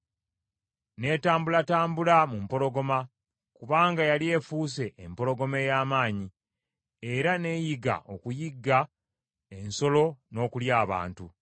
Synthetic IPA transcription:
ne̞ːtaːmbulataːmbulamumpo̞lo̞ɡo̞ma | kuβaːŋɡajalie̞ːfuːse̞ʔːmpo̞lo̞ɡo̞me̞jaːmaːɲi | eɾane̞ːjiɡa̰ʔo̞kujiɡːa | e̞nso̞lo̞no̞ːkuljaːβa̰ːntu

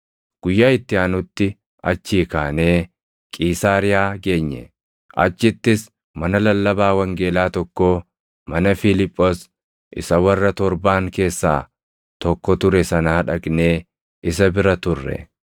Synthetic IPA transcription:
ɡ̥ʊjːaːɪt̪ːɪaːnʊt̪ːɪ | ɐt͡ʃːiːkaːne̞ː | kʼiːsaːɾɪjaːɡe̞ːɲːɛ̰ | ʔɐ̰t͡ʃːɪt̪ːɪs | mɐnɐlɐlːɐbaːwɐŋɡe̞ːlaːt̪ɔkːoː | mɐnɐfɪlɪpʼːos | ʔɪ̰sɐwɐrːɐt̪ɔɾbaːŋke̞ːsːa̰ː | t̪ɔkːɔt̪ʊɾɛsɐnɐɐᶑɐɡne̞ː | ʔɪsɐbɪɾɐt̪ʊrːɛ̰

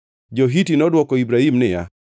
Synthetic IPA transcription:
d͡ʒoɦitinɔdwɔkɔibɾahimnɪja̰

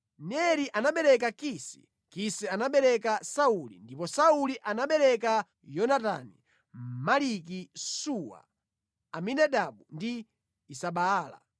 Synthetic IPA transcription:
nɛɾiʔanaɓɛɾɛk̬akisḭ | kisɛanaɓɛɾɛkasaulḭndipɔsauliʔanaɓɛɾɛka | jɔnatanḭ | malik̬isuwa̰ | aminaɗaɓundiː | saɓaːla̰

